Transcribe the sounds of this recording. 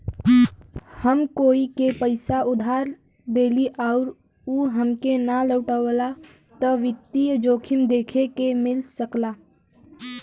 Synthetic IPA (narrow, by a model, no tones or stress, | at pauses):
həmkoːikepəɪsaʊd̪ʱaːɾ | d̪eːliʔaʊɾ | uːɦəmkenaləːʈawəla | t̪ɔʋɪt̪ːijd͡ʒoːkʰɪmd̪eːkʰekemɪlsəklaː